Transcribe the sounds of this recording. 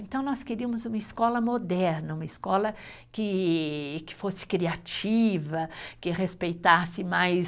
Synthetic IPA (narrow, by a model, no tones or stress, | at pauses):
ẽt̪ɐ̃w̃nɔskeɾiɐmʊzũmɐiskɔlɐmod̪ɛɾnɐũmɐiskɔlɐkɪ | kɪ̥fosɪ̥kɾiat͡ʃivɐkɪʁespejt̪asɪmajs